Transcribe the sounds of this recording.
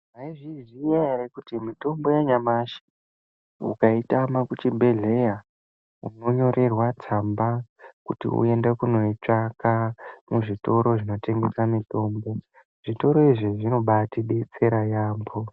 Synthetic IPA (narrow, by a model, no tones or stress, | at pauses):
aiʐizijaɾekutimito̞mbo̞jaɲamaʃi̥ | ṵkaitamakut͡ʃibʱe̞ɮe̞ja | uno̞ɲo̞ɾe̞rwat͡sambakutḭṵe̞ndekuno̞it͡ʂakamuʐito̞ɾo̞ʐino̞te̞ŋɡe̞samito̞ːmbo̞ | ʐ̥ito̞ɾo̞iʐiʐino̞ɓatiɗet͡se̞ɾajaːmbo